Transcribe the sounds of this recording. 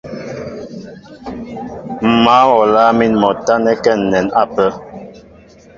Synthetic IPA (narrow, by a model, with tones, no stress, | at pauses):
m̩˨ma˨˦wɔ˨la˦mi˦nmɔ˨ta˦nɛ˦kɛ˦˨n̩ː˨ɛ˨na˦˨pə˦